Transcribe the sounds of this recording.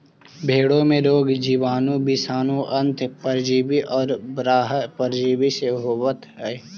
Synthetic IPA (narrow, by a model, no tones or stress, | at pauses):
bʱeːɽõmẽɾoːɡd͡ʒiːʋaːnõbisaːnõʔɐ̃nt̪ʰpəɾd͡ʒiːbiʔɔːɾbɾaːɦpəɾd͡ʒiːbiseɦoːʋət̪ɦɛː